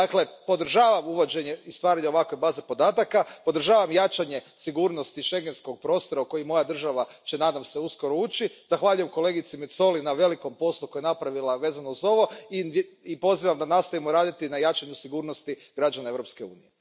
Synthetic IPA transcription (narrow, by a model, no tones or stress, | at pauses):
d̪akle̞po̞d̪r̩ʒaːʋamuʋo̞d͡ʑe̞ɲeist̪ʋaːɾaɲeo̞ʋakʋe̞baːze̞po̞d̪aːt̪akapod̪r̩ʒaːʋamjat͡ʃaɲe̞siɡuːɾno̞st̪iʃe̞ŋɡe̞nsko̞ɡ̚pɾo̞ːst̪o̞ɾauko̞jimo̞jad̪r̩ʒaʋat͡ɕe̞nad̪amse̞uskoɾo̞uːt͡ɕiz̥axʋaːʎuje̞mko̞le̞ɡit̪simet̪so̞linaʋe̞liko̞mpo̞slˠukojenapɾaʋilaʋe̞ːzanouzo̞ʋo̞iipo̞ziʋamd̪anast̪aimoɾaːd̪it̪inajat͡ʃaɲusiɡuːɾno̞st̪iɡ̥ɾad͡ʒanaevɾo̞pske̞ṵːnije